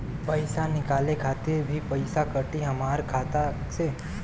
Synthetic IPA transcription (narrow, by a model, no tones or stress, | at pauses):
pəɪsanɪkaːlekʰaːt̪ɪɾbʱipəɪsakəʈiɦɐmaːɾkʰaːt̪a | se